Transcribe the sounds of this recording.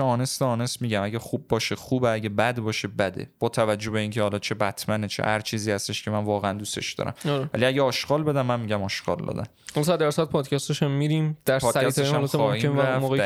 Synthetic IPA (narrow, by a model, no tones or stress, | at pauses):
ɒːnesd̪eɒːnesmiːɟæmæɟæxub̚ːɒːʃeχuːbeæɟæbæd̪bɒːʃe̞bæd̪ḛb̥ɒːt̪ʰævæd͡ʒːohbe̞iːncʲʰehɒlɒːt͡ʃʰe̞bæt̪ʰmænet͡ʃʰḛhæɾt͡ʃʰiːziːhæst̪eʃcʰemænvɒːɣeænd̪ust̪ḛʃd̪ɒ̰ːɾæ̰mɒɾvæ̰liæɟeɒːʃɡ̥ɒːlbe̞d̪æmːænmiɟæmɒːʃɡ̥ɒ̰ːld̪ɒ̰d̪æ̰n | hɒlɔsæd̪æɾsd̪̚pʰɒːd̪cʰæst̪eʃæmːiɾimd̪̥æɾpɒːæst̪elɔɒːhieæfmoːɣe